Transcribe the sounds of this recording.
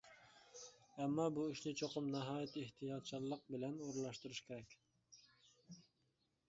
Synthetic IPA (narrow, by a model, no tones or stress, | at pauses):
ɛmːɑbuiʃnɪt͡ʃʰoqʰʊmnɑɦɑːjɛt̪ʰeht̪ʰijɑt̪̚t͡ʃʰɑlːˠəq̚bɪlɛnoɾlˠɑʃt̪uɾuʃkʲʰeɾɛkʲ